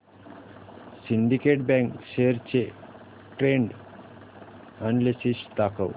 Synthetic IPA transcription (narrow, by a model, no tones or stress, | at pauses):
siɳɖikeʈ̚bɛ̃ŋkʃeɾt͡ɕe | ʈɾẽɳɖ | ənlesiɕt̪akʰə̰w